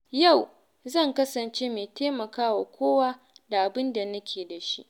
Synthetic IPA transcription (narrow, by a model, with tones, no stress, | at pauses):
ja˦˨w | zɐ˦˨ŋkɐ˦sɐ˨nt͡ʃeː˦meː˨teː˦mɐ˨kaː˦waː˨kʷoː˦waː˦ | da˨ʔa˨bɪ˦nda˨nɐ˦kʲʰeː˨da˨ʃḭ˦ʔ